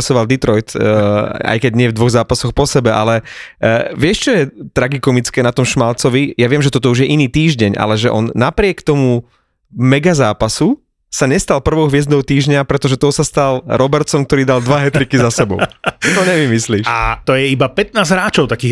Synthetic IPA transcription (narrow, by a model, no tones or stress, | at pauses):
sɔʋald̪it̪ɾɔjt̪ː | a̰jkɛɟɲɪɛvd̪ʋɔɣzaːpasɔxpɔsɛbɛʔalɛ | ʋɪɛʃt͡ʃɔjɛt̪ɾaɡikɔmit͡skɛːnat̪ɔmʃmalt͡sɔʋijaʋɪɛmʒɛt̪ɔt̪ɔuʒjɛʔiniːt̪iːʒɟɛɲʔa̰lɛʒɛʔɔnːapɾɪɛkt̪ɔmu | mɛɡazaːpasu | saɲɛst̪alpr̩ʋɔʊɦʋɪɛzd̪ɔʊt̪iːʒɲapɾɛt̪ɔʒɛt̪ɔsast̪alɾɔbɛɾt͡sɔmk̚t̪ɔɾiːd̪ald̪ʋaɦɛt̪ɾikizasɛbɔ̰ʊt̪ɔɲɛʋimisliːʃat̪ɔjɛibapɛt̪̚naːzɦɾaːt͡ʃɔʊt̪akiː